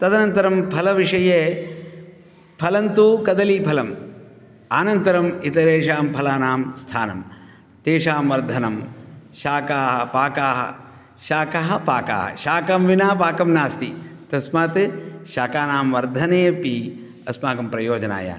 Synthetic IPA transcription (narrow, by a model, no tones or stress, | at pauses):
t̪ɐd̪ɐnɐnt̪ɐɾɐmpʰɐlɐʋiʂɐjeː | pʰɐlɐnt̪ukɐd̪ɐlipʰɐlɐm | aːnɐnt̪ɐɾɐmit̪ɐɾeːʂaːmpʰɐlaːnaːmst̪ʰaːnɐm | t̪eːʂaːmʋɐɾd̪ʱɐnɐmʃaːkaːɦɐpaːkaːɦɐ̰ | ʃaːkɐɦɐ̆paːka̰ːɦɐ̰ʃaːkɐmʋinaːpaːkɐmnaːst̪it̪ɐsmaːt̪ʃaːkaːnaːmʋɐɾd̪ʱɐneːpi | ɐsmaːkɐmpɾɐjoːd͡ʒɐna̰ːja̰ː